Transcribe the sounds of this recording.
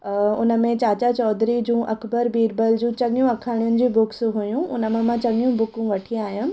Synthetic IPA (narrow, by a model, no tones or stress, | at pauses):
ʊnəmẽt͡ɕaːt͡ɕat͡ɕɔːd̪ʱɾid͡ʑũːʔɐkbəɾbiːɾbəld͡ʑũt͡ɕɐɠjũɐkʰaːɪɽ̃ʊnɪ̆d͡ʑiːbʊksɦujũʊnəmãmãt͡ɕɐɠjũbʊkũʋɐʈʰiaːɦijʊnɪ̆